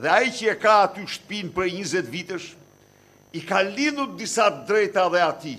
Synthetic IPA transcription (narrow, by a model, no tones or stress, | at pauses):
ðɛaicəɛkaːt̪yʃt̪ə̥pinpɾɛɲəzɛt̪vit̪əʃ | ikalinuɾd̪isat̪əd̪ɾɛjt̪aðɛat̪i